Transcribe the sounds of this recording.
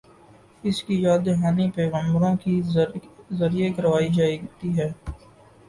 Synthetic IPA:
ɪskijaːd̪eɦaːnipɛːɣə̃mbɾõki | zɐɾiekɐɾʋaːid͡ʒaːit̪iɦɛː

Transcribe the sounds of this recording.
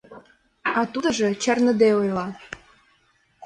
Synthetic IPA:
ɑt̪ud̪ə̆ʒĕt͡ɕɑrnə̆d̪eojlɑ

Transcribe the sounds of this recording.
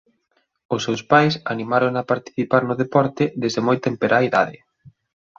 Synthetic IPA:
ʊsewspajsanimaɾoŋapaɾt̪i̥θipaɾnʊðepɔɾt̪ɪðezðemojt̪empeɾʔaiða̰ðɪ

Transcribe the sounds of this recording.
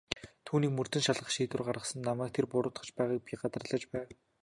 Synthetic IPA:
t̪ʰuːniːkmɵr̥t̪ɵ̆nʃaɮʁə̆χʃiːt̪ɘ̆rɢaɾʁə̆sə̆nːamæːk̚t̪ʰerpʊɾʊːt̪χə̆t͡ɕpæːʁaːk̚pʲiɢat̪ə̆rɮə̆t͡ɕpæːw

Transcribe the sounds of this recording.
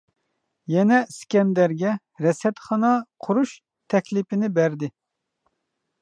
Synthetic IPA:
jɛnɛskʲɛnd̪æɾɡʲɛ | ɾɛsɛt̪χɑnɑqʰuɾuʃ | t̪ʰɛkʲlɪpɪnɪbæɾd̪ɪ

